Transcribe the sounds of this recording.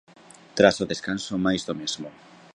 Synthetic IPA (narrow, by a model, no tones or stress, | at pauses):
t̪ɾasoðeskansomajzðomezmo